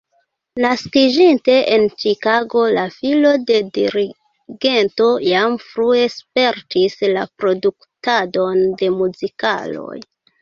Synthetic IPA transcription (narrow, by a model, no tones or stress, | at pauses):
naskid͡ʒinte̞ʔent͡ʃikaɡo̞lafilo̞de̞diɾi | ɡe̞nto̞jamfɾue̞spe̞ɾtislapɾo̞duktado̞nde̞muzika̰lo̞̰j